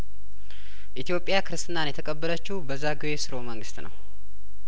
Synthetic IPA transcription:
ʔit̪ijo̞pʼːjakʰɨɾɨst̪ʼɨnanjɛt̪ʰəkʼəbːələt͡ʃːubəzːaɡɨwesɨɾo̞məŋɡɨst̪nə̰w

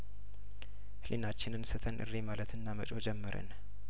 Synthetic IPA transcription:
hlʔinat͡ʃːɪnɨnsɨt̪ʰənʔɨ̰rːemalət̪ɨnːamət͡ʃʼo̞d͡ʒɛmːəɾə̰n

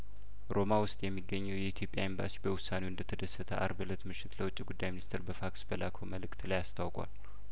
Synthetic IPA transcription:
ɾo̞mawʊst̪ʼjɛmːiɡːəɲːɛwjɛit̪ʰjo̞pʼjaimba̰sibəwʊsːanewɨnd̪ət̪ʰəd̪əsːət̪ʰəʔa̰ɾbɨlət̪mɨʃːɪt̪ləwʊt͡ʃʼːiɡud̪ːajminist̪ʰeɾbəfaksbəlakʰoməlɨkt̪ʰlajast̪ʰawkʼa̰l

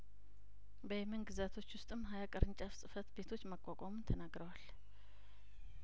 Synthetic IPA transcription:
bəjɛmənɡɨzat̪ʰo̞t͡ʃːwʊst̪ʼɨmːɦajakʼəɾɨɲt͡ʃʼafsʼɨfət̪be̞t̪ʰo̞t͡ʃːməkʼːakʼamunt̪ʰənaɡɾəwal

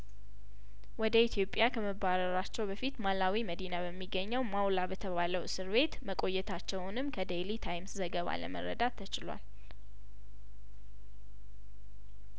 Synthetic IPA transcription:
wɔd̪əit̪ʰjo̞pʼjakʰəməbaɾəɾat͡ʃːɛwbəfit̪malawiməd̪inabəmːiɡːəɲːɛwmawlabət̪ʰəβaləwsɨɾβe̞t̪məkʼo̞jːɛt̪ʰat͡ʃːɛwnɨmkʰəd̪elit̪ʰajmszəɡəβa̰lə̰mə̰ɾə̰d̪at̪ʰːət͡ʃɪla̰l

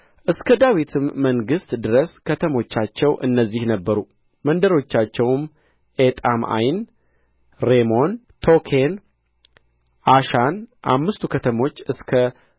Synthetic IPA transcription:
ʔɨskʰəd̪awit̪ʰɨmːəŋɡɨst̪d̪ɨɾəskʰət̪ʰəmo̞t͡ʃːat͡ʃːɛwʔɨ̰nːəzːihnəbːəɾu | mənd̪əɾo̞t͡ʃːat͡ʃːɛwm | ʔet̪ʼama̰jn | ɾemo̞n | t̪ʰo̞kʰen | ʔaʃanʔa̰mːɨst̪ʰukʰət̪ʰəmo̞t͡ʃːɨskʰə

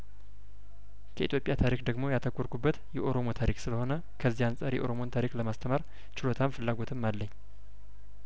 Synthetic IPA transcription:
kʰəʔḭt̪ʰjo̞pʼːjat̪ʰaɾikd̪əɡmo̞jat̪ʰəkʷʼːoɾkubːət̪jɛʔo̞ɾo̞mo̞t̪ʰaɾiksɨləho̞nə | kʰəzːijansʼaɾjɛ̰ʔo̞ɾo̞mo̞nt̪ʰaɾikləmast̪ʰəmaɾ | t͡ʃɪlo̞t̪ʰamfɨlːaɡo̞t̪ʰɨmːalːəɲː

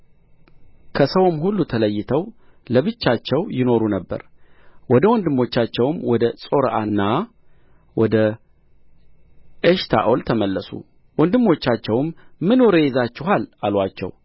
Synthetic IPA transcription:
kʰəsəwmhulːut̪ʰələjːɪt̪ʰəw | ləβɨt͡ʃːat͡ʃːɛwjɪno̞ɾunəbːə̰ɾwɔd̪əwɔnd̪ɨmːo̞t͡ʃːat͡ʃːɛwmwɔd̪əsʼo̞ɾəʔanːa | wɔd̪ə | ʔeʃt̪ʰa̰ʔolt̪ʰəməlːəsṵ | wɔnd̪ɨmːo̞t͡ʃːat͡ʃːɛwmːɨnoɾejɛzat͡ʃːɪhalalwat͡ʃːɛ̰w

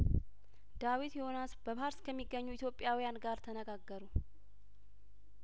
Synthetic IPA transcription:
d̪̥awit̪jɪho̞nasbəbaɾskʰəmːiɡːəɲːuɪt̪jo̞pʼːjawijanɡaɾt̪ʰənəɡaɡːəɾu

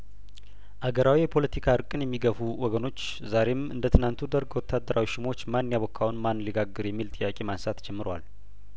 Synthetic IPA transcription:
ʔaɡəɾawijɛpʰo̞lət̪ʰikʰaɨɾkʼɨnjɛmːiɡəfuwɔɡəno̞t͡ʃː | zaɾe̞mɨ̰nd̪ət̪ʰɨnant̪ʰud̪əɾɡwɔt̪ʰːad̪ːəɾʔawiʃɪmo̞t͡ʃːmannjaβɔkʰːawunmanlɨɡaɡːɨɾjɛmːilt̪ʼɨjːakʼemansat̪d͡ʒɛmːɨɾowa̰l

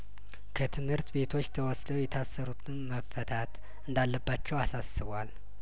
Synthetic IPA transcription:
kʰət̪ʰɨmhɨɾt̪be̞t̪ʰo̞t͡ʃːt̪ʰəwɔsd̪əwjɛt̪ʰasːəɾut̪ʰɨnməfət̪ʰat̪ | ɨnd̪alːəbːat͡ʃːɛwasasɨβwal

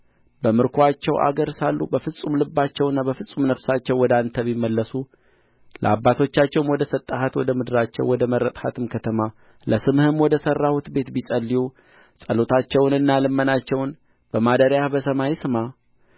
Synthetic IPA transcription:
bəmɨɾkʰat͡ʃːɛwʔa̰ɡəɾsalːṵbəfɨsʼumlɨbːat͡ʃːɛwnːabəfɨsʼumnəfsat͡ʃːɛwːɔd̪ant̪ʰəβimːəlːəsu | lʔə̰abːat̪ʰo̞t͡ʃːat͡ʃːɛwnwɔd̪əsət̪ʼːahat̪wɔd̪əmɨd̪ɨɾat͡ʃːɛ̰wwɔd̪əməɾːət̪ʼhat̪ʰɨmkʰət̪ʰəma | ləsɨmhɨmwɔd̪əsərːahut̪be̞t̪bisʼəlːiju | sʼəlot̪ʰat͡ʃːɛwnɨnːalɨmːənat͡ʃːɛwn | b̥əmad̪əɾjahbəsəmajsɨma

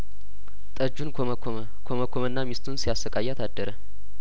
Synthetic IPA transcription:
t̪ʼəd͡ʒun | kʰoməkʰomənːamist̪ʰunsijasəkʼajat̪ʰad̪ːəɾə

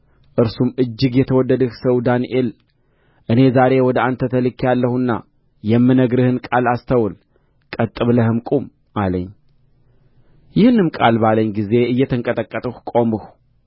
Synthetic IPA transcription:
ʔɨɾsumʔɨd͡ʒːɪɡjɛt̪ʰəwɔdːəd̪əhsəwd̪aniʔel | ʔɨne̞zaɾe̞wɔd̪əant̪ʰət̪ʰəlɨkʰːjalːəhunːa̰ | jɛmːɨnəɡɾɨhɨnkʼalast̪ʰəwl | kʼət̪ʼːɨβləhɨmkʼum | ʔaləɲː | jɪhɨnɨmkʼa̰lbaləɲɡize̞ɨjːɛt̪ʰɨŋkʼət̪ʼəkʼːət̪ʼəhkʼomɨh

